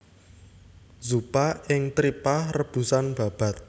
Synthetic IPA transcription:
zupaɪŋt̪ɾiparəb̥ṳsanb̥ä̤b̥a̤t̪̚

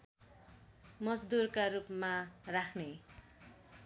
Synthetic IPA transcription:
mʌd͡zd̪urkarupmarakʰne

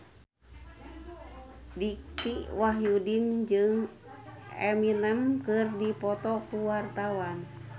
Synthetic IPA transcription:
dikiwaɦjudind͡ʒɨŋ | ɛminəmkɨrdipɔt̪ɔkuwart̪awan

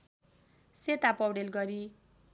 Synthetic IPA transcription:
set̪apʌwɽelɡʌɾi

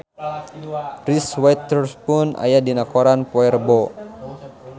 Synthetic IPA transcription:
riswat̪ɛrspunʔa̰jadinakɔɾanpɔɛrbɔ

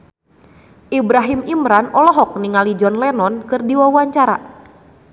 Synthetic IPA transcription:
ʔibɾaɦimimɾanɔlɔɦɔk̚niŋalid͡ʒɔnlɛnɔnkɨrdiwawaɲt͡ʃaɾa̰

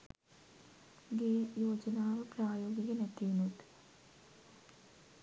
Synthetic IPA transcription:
ɡeːjoːd͡ʒɐnaːʋɨpraːjoːɡiɡɐnɐt̪ːinut̪

